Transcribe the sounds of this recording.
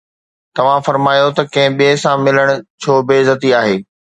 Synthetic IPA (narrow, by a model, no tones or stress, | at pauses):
t̪ɐʋ̤ãfɐɾmaːjot̪ɐkɐ̃ɦɪ̃ɓiesãmɪləɽ̃ʊ̆t͡ɕʰoːbeːzɐt̪iaːɦeː